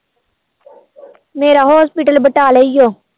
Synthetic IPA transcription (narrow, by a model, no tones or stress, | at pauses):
meːɾaɦoːspɪʈəlbəʈaːleɪjoː